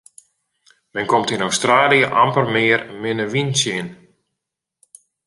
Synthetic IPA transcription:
mɛnkomtinowstraːlijəʔampərmɪərmɪnəʋinsɪn

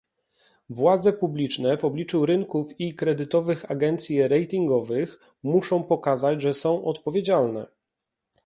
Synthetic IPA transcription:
vwad̪zɛpublʲit͡ʂnɛvɔblʲit͡ʂuɾɘŋkufikɾɛd̪ɘt̪ɔvɘxaɡɛnt̪sʲjɛɾɛjt̪ʲiŋɡɔvɘx | muʂɔ̃w̃pɔkazat͡ɕʐɛsɔ̃w̃ʔɔt̪pɔvʲjed͡ʑalnɛ̰

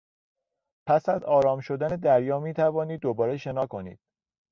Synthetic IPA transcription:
pʰæsæzɒːɾɒːmʃo̞d̪æne̞d̪æɾjɒːmiːt̪ʰævɒːniːd̪ːobɒːɾe̞ʃe̞nɒːko̞nḭːd̪̥̚

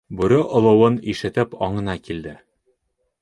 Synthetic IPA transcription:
bʉɾɘʔŏlˠɤ̆wɤniʃɘ̆t̪ɘpɒ̰ɴɤ̆nɑkild̪ɘ

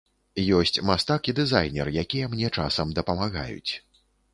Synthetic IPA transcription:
jɔsʲt͡sʲmast̪akid̪ɨzajnʲɛ̰rjakʲijɛmnʲɛt͡ʂasɐmd̪ɐpɐmaɣa̰jṵt͡sʲ

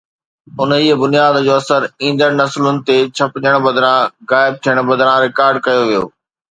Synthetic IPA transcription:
ʊniːbʊnijaːd̪d͡ʑoːɐsəɾĩːn̆d̪əɾnɐslʊnɪ̆t̪et͡ɕʰɐpɪd͡ʑəɽ̃bɐd̪ɾãɣaːɪb̚t̪ʰijəɽ̃bɐd̪ɾãɾɪkaːɾɖkɐjoʋijo̰ː

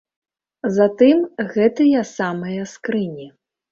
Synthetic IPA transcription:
zat̪ɨmɣɛt̪ɨjɐsamɐjɐskɾɨnʲi

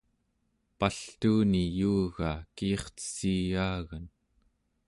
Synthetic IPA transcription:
paɬt̪uːnijuːɣaːkiːχt͡sə̥siːjaːɣan

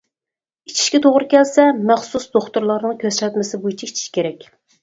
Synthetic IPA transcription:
it͡ʃʰi̥ʃkʲɛt̪ʰoʁɾɨkʲɛlsɛmɛχsusd̪oχt̪uɾlˠɑɾnɨŋkʲʰøsɾɛt̪mɪsɪbujit͡ʃʰiit͡ʃʰi̥ʃkʲeɾɛkʲ

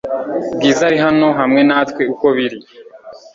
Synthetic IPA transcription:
bɡiːzaɾiɦano̞ɦamŋe̞naːt̪weuko̞βiɾi

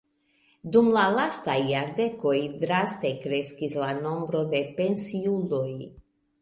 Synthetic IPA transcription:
d̪umlalast̪ajːaɾd̪ekojd̪ɾast̪ejkɾeskislano̞mbɾo̞d̪e̞pe̞nsiuloj

